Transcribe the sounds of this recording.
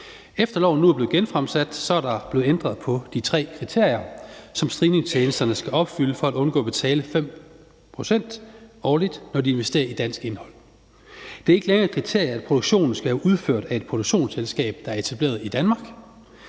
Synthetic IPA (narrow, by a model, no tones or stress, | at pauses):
efd̥ɐlɒ̰ʊn̩nuæɐb̥le̝ːɡenfʁamsæd̥sɒ̽æɐɾɑ̈b̥e̝ːð̩end̥ʁɐð̞̩ˠpʰɒ̽d̥it͡sʰʁɛ̰ːkʰʁit͡sʰe̝ɐ̰jɐsɒ̽msd̥ʁiːne̝ŋsʰeːnəsd̥ɐnəsɡ̥æɒ̽b̥fyləfɒ̽æd̥ɔ̽nɡ̥ɔ̰̽ːb̥e̝t͡sʰɛːləfem̰ | pʰʁo̝sen̰d̥ɒːlid̥nɒdie̝nʋesd̥e̝̰ːɐid̥æn̰sɡ̥e̝nhɒ̽l̰ | d̥e̝æɐe̝ɡ̥əleŋɐkʰʁit͡sʰe̝ɐ̰jɐæd̥̚pʰʁo̝d̥oɡ̥ɕo̝̰ːnn̩sɡ̥æhæʔuð̞ˠføɐ̰d̥æe̝d̥̚pʰʁod̥o̝ɡ̥ɕo̝̰ːnselsɡ̥ɛ̰ːb̥̚d̥ɑ̈æɐe̝t͡sʰæb̥le̝̰ːɐð̞ˠid̥ænmɑ̈ːɡ̥